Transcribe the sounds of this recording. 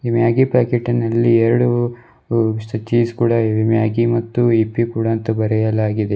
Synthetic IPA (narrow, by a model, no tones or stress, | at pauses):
imjaːɡipaːkeʈːinːɐlːiɛɾɐɽu | sʈ̪ɐt͡ʃiːskuːɽɐimjaːɡimɐt̪ːuipːikuːɽɐːnt̪ɐbɐɾɛjɐlaːɡid̪e